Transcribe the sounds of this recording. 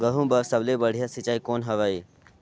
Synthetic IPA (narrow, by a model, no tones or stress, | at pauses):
ɡəɦũːbɐɾsɐbleːbɐɽ̤ijaːsɪt͡ʃaːikoːnɦɐʋaːiː